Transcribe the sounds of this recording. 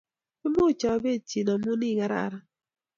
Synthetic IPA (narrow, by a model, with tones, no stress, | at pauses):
pɪ˦mo˦˨t͡ʃɔ˨be˦˨t͡ʃi˨nɔ˨mu˦ni˦˨ŋa˦ɾa̰˨ɾa˦